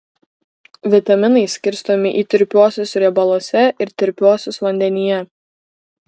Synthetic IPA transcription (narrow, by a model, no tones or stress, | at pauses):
ʋʲɪt̪ɐmʲɪnɐɪsʲkʲɪɾʲst̪oɔmʲɪʔiːt̪ʲɪɾʲpʲoːsʲosɾʲɛbɐlˠoːsʲɛʔɪɾt̪ʲɪɾʲpʲoːsʲosʋɐnʲd̪ʲɛnʲijɛ